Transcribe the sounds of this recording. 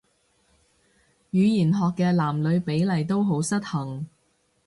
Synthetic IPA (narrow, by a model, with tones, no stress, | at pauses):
jyː˨˧jiː˨˩nɦɔː˨kːɛː˧laː˨˩mlɵ˨˧ɥpe˨˥jlɐ˨˩jt̪o˥wɦo˨˥wsɐ˥t̚hɐ˨˩ŋ